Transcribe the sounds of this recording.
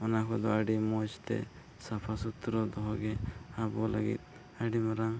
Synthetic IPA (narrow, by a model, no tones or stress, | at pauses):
ɔnakʰɔd̪ɔaɖimɔst̪ɛ̰ | sapʰasut̪ɾɔd̪ɔɦɔɡɛabɔla̰ɡḭt̪̚ | aɖimaɾaŋ